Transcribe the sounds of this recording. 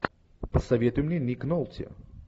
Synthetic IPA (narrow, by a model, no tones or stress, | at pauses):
pəsɐvʲet̪ʊjʊmnʲenʲiknolˠt̪ʲɪ̰